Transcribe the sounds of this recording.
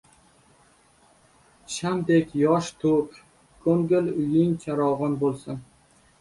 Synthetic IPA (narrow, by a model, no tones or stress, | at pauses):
ʃamd̪ekʲjɒʃt̪ʰop | kʰoŋɡʲɪlʊjɪŋt͡ʃʰaɾɒwʁɑnbolˠsɪn